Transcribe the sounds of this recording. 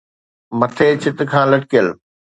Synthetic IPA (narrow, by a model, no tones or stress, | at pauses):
mɐt̪ʰeːt͡ɕʰɪt̪̆kʰãːlɐʈkijəl